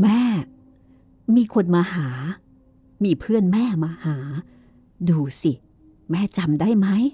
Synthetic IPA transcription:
mɛː˥˩ | miː˧kʰo˧nmaː˧haː˩˦ | miː˧pʰɯ˥˩ənmɛː˥˩maː˧haː˩˦ | duː˧si˨˩ | mɛː˥˩t͡ɕa˧mda˥˩jma˦˥j

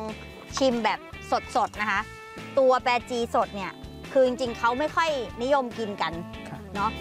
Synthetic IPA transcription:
ŋ | t͡ɕʰi˧mbɛː˨˩p̚so˨˩t̪̚so˨˩t̪̚na˦˥kʰa˦˥ | t̪u˧ɐpɛː˧t͡ɕiː˧so˨˩t̪̚ni˥˩ɐ | kʰɯː˧t͡ɕi˧ŋt͡ɕi˧ŋkʰa˦˥wma˥˩jkʰɔ˥˩jni˦˥jo˧mki˧nka˧nnɔ˦˥ʔ

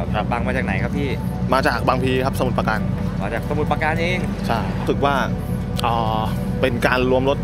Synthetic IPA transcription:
a˦baː˧ŋmaː˧t͡ɕaː˨˩k̚na˩˦jkʰa˦˥p̚pʰiː˥˩maː˧t͡ɕaː˨˩k̚baː˧ŋpʰiː˧kʰa˦˥psa˧mu˨˩t̪paː˧kaː˧n | maː˧t͡ɕaː˨˩k̚sa˧mu˨˩t̪̚paː˧ka˧nʔeː˧ŋ | t͡ɕʰa˥˩jsɯ˨˩k̚waː˥˩ | ʔɔː˨˩ | pe˧nkaː˧nɾu˧əmɾo˦˥t̪̚

